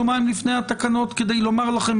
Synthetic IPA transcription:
omaimlifnejhat̪akano̞t̪ked̪e̞jlo̞maʁlaχe̞m

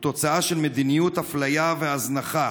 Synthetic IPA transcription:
t̪o̞t͡saaʃelmed̪inijut̪haflajaveaznaχa

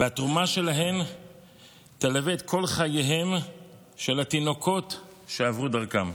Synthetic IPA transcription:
veatʁumaʃe̞laɦe̞m | t̪alaveːt̪kʰo̞lχajeɦem | ʃe̞lat̪ino̞kʰo̞tʃeavʁud̪aʁkam

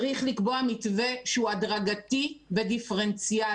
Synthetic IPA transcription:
ʁiχlikbo̞amitve̞ʃeuadʁaɡativedifeʁent͡sija

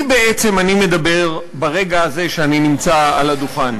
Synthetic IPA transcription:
beet͡se̞manimed̪abe̞ʁ | baʁe̞ɡaːze̞ʃeaninimt͡saa̰lad̪uχan

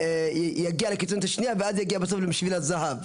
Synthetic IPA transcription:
jaɡialekit͡sunt̪aʃniaveʔazjaɡiabaso̞flemiʃvilazaɦav

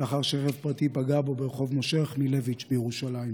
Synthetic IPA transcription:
aχaʁʃeχevpʁatipaɡabo̞beʁeχo̞vmoʃeχmile̞vit͡ʃbejeʁuʃalaim

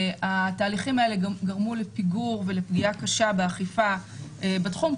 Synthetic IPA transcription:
at̪aːliχimae̞leɡɡaʁmulepiɡuʁve̞le̞pɡiakaʃabeaχifaebetχum

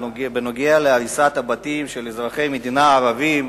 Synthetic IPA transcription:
benoɡealeaɾisat̪abat̪imʃelezʁaχe̞jmed̪inaːʁavim

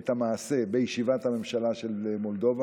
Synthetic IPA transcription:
t̪hamaːse̞bejʃivat̪hame̞mʃalaʃe̞lemo̞ld̪o̞va

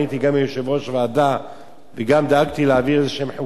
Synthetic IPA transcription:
it̪iɡamejoʃevoʃvaːd̪a | veɡamd̪eaɡt̪ileaviʁezeʃemħu

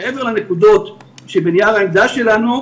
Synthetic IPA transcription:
ʔeveʁlane̞kud̪o̞t̪ʃebenijaʁaild̪aʃe̞lanu

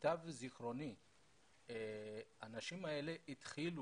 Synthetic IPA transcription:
t̪avziχʁo̞ni | anaʃimae̞le̞ʔit̪χilu

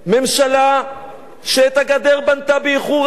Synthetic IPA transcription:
me̞mʃala | ʃeːt̪haɡad̪eʁbant̪abeiχuʁ

